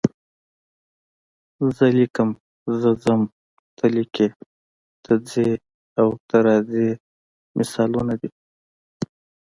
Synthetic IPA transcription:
zəlikəm | zəd͡zəm | t̪ʰalikʰe | t̪ʰad͡ze | awt̪aɾɑze | mʔɪsɑlunad̪i

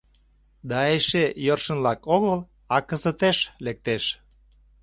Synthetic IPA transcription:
d̪ɑeʃejərʃə̆nlɑkoɣəl | ɑkə̆zə̆t̪eʃlek̚t̪eʃ

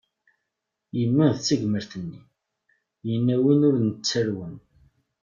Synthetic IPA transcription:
jəmːiðt͡sːəʝməɾθənːi | jənːæwinʊɾnət͡sːəɾwən

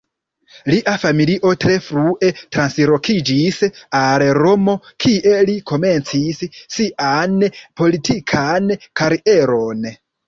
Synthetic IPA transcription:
liʔafamiliʔo̞tɾe̞fɾuʔe̞tɾansɾo̞kʰid͡ʒisalɾo̞mo̞kʰie̞likʰo̞me̞nt͡sisːiʔanpo̞litʰikʰankaɾiʔe̞ɾo̞n

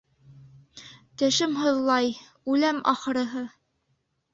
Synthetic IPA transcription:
t̪æʃɘmɦɤ̆ðlˠɑj | ʉlæmʔɑ̰χɤ̆ɾɤ̆ɦɤ

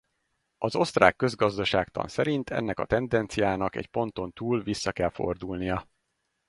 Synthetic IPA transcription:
ɒzo̞st̪ra̰ːkːø̞zɡɒzd̪ɒʃaːkt̪ɒ̰nsɛɾint̪ʰɛ̰nːɛkɒ̰t̪ɛnd̪ɛnt̪sijaːnɒkɛ̰cpo̞nt̪o̞nt̪uːlvisːɒkɛlfo̞̰rd̪ulnijɒ

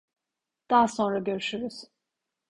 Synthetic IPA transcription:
d̪̥aːaso̞nɾaɟø̞ɾyʃyɾyz̥

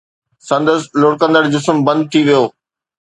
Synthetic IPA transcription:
sɐ̃nd̪əslʊːɽkə̃nd̪əɽd͡ʑʊsəmbɐ̃nd̪̚t̪ʰiʋijoː

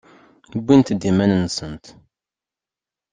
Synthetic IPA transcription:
bʷːint̪d̪imænənsənt̪

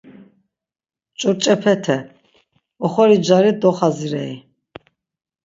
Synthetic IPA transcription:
t͡ʃʼɔɾt͡ʃʼɛpʰɛt̪ʰɛ | ɔχɔɾid͡ʒaɾid̪ɔχaziɾɛi

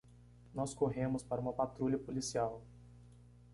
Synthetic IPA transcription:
nɔskoɦẽmʊspaɾɐũmɐpat̪ɾuʎʲɐpolisiaw

